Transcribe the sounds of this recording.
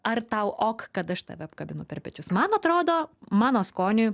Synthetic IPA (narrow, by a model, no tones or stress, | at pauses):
ɐrt̪ɐʊʔoːkkɐt̪ɐʃt̪ɐ̰ʋʲɛɐpkɐbʲɪnʊpʲɛrpʲɛt͡ʃʲʊsmɐnɐt̪ɾoːd̪oːmɑːnoːskoːnʲʊj